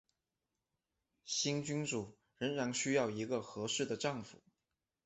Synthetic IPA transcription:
ɕi˥nt͡ɕy˥nʈ͡ʂu˨˩ | ɻə˧˥ŋɻa˧˥nɕy˥jɑ˥˩ʊi˧˥ɡə˧xɤ˧˥ʂɻ̩˥˩d̪ə˩ʈ͡ʂɑ˥˩ŋfṵ˨˩˦

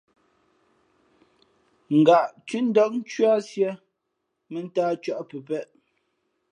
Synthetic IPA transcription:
ŋ̩˨ɡa˨ʔt͡ʃʉ˦n̩˦dɔ˦k̚n̩˦t͡ʃɥa˦sjɛ˦ | mɛ˨n̩˦taː˦t͡ʃɥa˦˨ʔpə˨pɛ˦ʔ

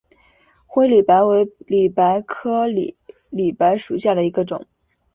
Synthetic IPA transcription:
xwe˥ɪli˨˩pa˧˥ɪwe˧˥ɪli˨˩pa˧˥ɪkʰɤ˥l | li˨˩pa˧˥ɪʂu˨˩ɕja˥˩d̪ə˩i˧˥ɡə˧ʈ͡ʂʊ̰˨˩˦ŋ

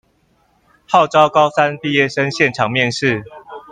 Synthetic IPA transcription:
hɑ˥˨ʊʈ͡ʂɑ˦ʊkɑ˥˦ʊsa˦npi˥˨˧jɛ˥˨ʂə˦nɕjɛ˥˨nʈ͡ʂʰɑ˨˩ŋmjɛ˥˨˧nʂɻ̩˥˨

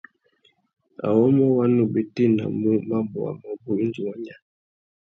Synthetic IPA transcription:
a̰˨wɔ˦mɔ˦wa˦no˦be˨te˦na̰˨mu˦ma˦mbɔ̰˨wa̰˨ma˦bo˨i˦n˦d͡ʒi˨wa˦ɲa˦

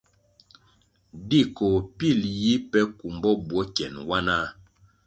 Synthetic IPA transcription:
di˦˨ko˨pi˦˨lji˦pɛ˦ku˨mbɔ˦bwɔ˦kjɛ˨nwa˦na˦

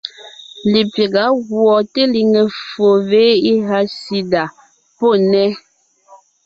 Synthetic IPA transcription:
li˨pe˨ɡa˨˦ɣwɔ˨te˦li˨ŋe˨fo˨ve˨˦i˦ɦa˦si˦da˨ | po˦˨nɛ˦

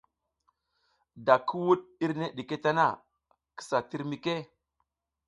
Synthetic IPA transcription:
da˨kʰi˦wu˦ɗɗi˦ɾne˦ɗi˨ke˦ta˦na˦˨ | kə̥˦sa˨ti˦ɾmi˦ke˦

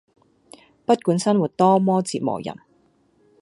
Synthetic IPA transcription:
pɐ˥t̚kuː˨˥nsɐ˥nwuː˨˩t̚t̪ɔː˥mɔː˥t͡siː˨t̚mɔ̰ː˨˩jɐ̰˨˩n

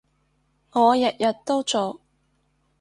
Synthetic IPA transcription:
ŋɔː˨˧jɐ˨t̚jɐ˨t̚t̪ːo˥wt͡so˨w

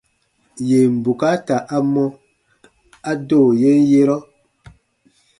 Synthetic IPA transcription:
je˨m̩˨bu˨ka˦ta˨ʔa˦mɔ˦ | a˦doː˦˨je˦n˦je˦ɾɔ˦

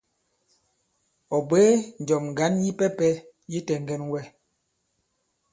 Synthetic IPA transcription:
ɔ˨be˦n̩˨d͡ʒɔ˨mŋ˨ɡa˨˦nji˦pɛ˦pɛ˦ | ji˦tɛ˨ŋ˦ɡɛ˦nwɛ˦

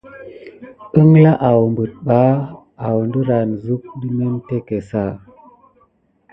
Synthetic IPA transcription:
ə˦ŋla˦ʔa˨wmbə˨t̚ɓa˨˦ | a˨wndə˦ɾa˨nzu˦k̚də˦me˦nte˦ke˨sa˦˨

